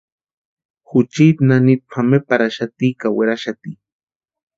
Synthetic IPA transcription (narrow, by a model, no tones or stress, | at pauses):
xʊt͡ʃit̪nanit̪̚pʰamepaɾaʃat̪ikaweɾaʃat̪i